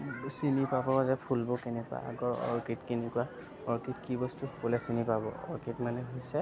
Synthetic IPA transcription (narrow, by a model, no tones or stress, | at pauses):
sinipabɔazɛpʰulbɔkɛnɛkua̰a̰ɡɔɹɔ̰ɹkitkinikʊa | ɔɹkitkibɔstukɔlɛsinipabɔ̰ɔ̰ɹkitmanɛɦisɛ